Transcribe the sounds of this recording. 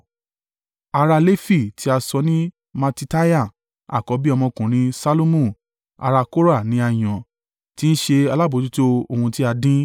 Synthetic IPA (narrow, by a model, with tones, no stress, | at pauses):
a˧ɾa˧le˦fi˦˨ti˨˦a˧sɔ˧˦nĩ˦ | ma˧ti˧ta˦ja˦˨ | a̰˨kɔ˨˦bi˦ɔ˧mɔ̃˧kũ˨ɾ̃ĩ˧˦sa˦lo˦mũ˦˨ | a̰˧ɾa˧ko˦ɾa˦˨nĩ˨˦a˧j̃ɔ̃˨ | ti˦n̩˦ʃe˧a˧la˦˨bo˨˧du˦to˦o˧˨hũ˧ti˦a˧dĩ˦